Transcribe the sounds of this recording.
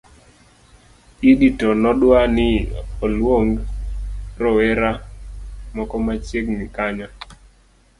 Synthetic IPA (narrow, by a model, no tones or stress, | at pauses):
iditɔnɔɗwanɪɔlwoŋ | ɾɔwɛɾa | mɔkɔmat͡ʃekmikaɲa